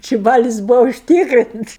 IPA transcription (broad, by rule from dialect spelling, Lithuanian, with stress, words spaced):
ˈt͡ʃʲɪ ˈbɑːlʲɪs ˈbuːʋɐ ʊʃʲˈtʲiːkrʲɪnts